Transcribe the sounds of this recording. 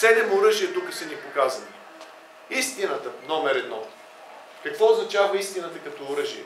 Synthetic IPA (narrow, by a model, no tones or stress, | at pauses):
sɛd̪ɛmoɾɤʒijət̪ukəsɐnipokazəni | ist̪inət̪ənɔmɛɾɛd̪nɔ | kɐkvɔoznɐt͡ʃavɐist̪inət̪əkɐt̪ɔːɾɤʒiɛ